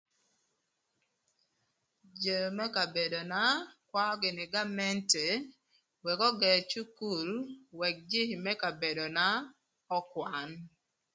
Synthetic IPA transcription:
d͡ʒə˨mɛ˦ka˨be˨do˨na˦kwa˦ɔ˦ɡɪ˨nɪ˨ɡa˦mɛ˦nte˨ | wɛ˨kɔ˦ɡɛ˨t͡ʃu˦ku˨lwɛ˨k̚d͡ʒɪ˦hmɛ˦ka˨be˨do˨na˦ | ɔ˦kwa˨n

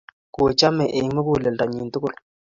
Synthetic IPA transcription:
ko˨t͡ʃa˦mɛ˨ʔe˨ŋ˦mə˦ku˨le˨lda˨ɲi˨ntʊ˦kʊ˦l

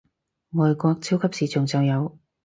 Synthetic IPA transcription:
ŋɔː˨˧jkɔː˧k̚t͡sʰiː˥wkʰɐ˥p̚siː˨t͡sʰʊ˨˩ŋt͡sɐ˨˧wjɐ˨˧w

